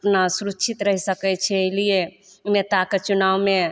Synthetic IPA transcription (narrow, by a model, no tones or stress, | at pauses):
pnasuɾut͡ʃʰit̪ɾəɦisəkɛt͡ʃʰɛɦlie | met̪aket͡ʃunawme